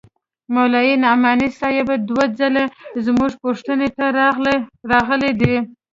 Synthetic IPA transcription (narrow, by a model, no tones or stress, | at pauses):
mawlɑjinɑmɑnisɑjabad̪wad͡zalezmuʐpoʂt̪ənet̪a | ɾɑɣəled̪i